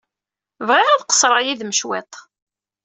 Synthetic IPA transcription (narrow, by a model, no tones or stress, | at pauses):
vʁɪɾæðqə̥sˤɾˤəjiðməʃwet̪ˤ